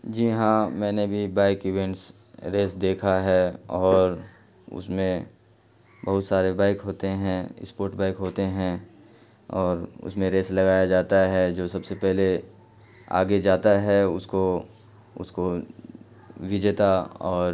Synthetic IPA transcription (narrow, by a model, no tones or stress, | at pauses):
d͡ʒiːɦãmɛ̃ːnebʱibaːɪkɪʋẽɳʈs | ɾeːsd̪eːkʰaɦɛɔːɾ | ʊ̰smẽ | bɐɦʊt̪saːɾebaːɪkɦoːt̪eɦɛ̃ɪ̰spoːɾʈbaːɪkɦoːt̪eɦɛ̃ | ɔːɾʊ̰smẽɾeːslɐɡaːjad͡ʒaːt̪aɦɛd͡ʒoːsɐbsepɛɦle | a̰ːɡed͡ʒaːt̪aɦɛʊsko | ʊ̰sko | ʋɪd͡ʒet̪aɔːɾ